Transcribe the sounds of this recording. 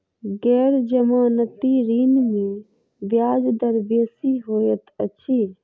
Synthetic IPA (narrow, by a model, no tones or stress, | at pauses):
ɡɛːɾd͡ʒəmaːnət̪iɾiːnmẽ | ʋjaːd͡ʒd̪əɾbesiɦoːjət̪əʃʰiː